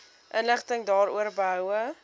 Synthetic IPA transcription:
ʔənləχtəŋdɑːɾṵərbəɦœwə

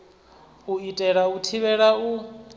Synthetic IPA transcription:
uitʼɛɺautʰiβɛɺau

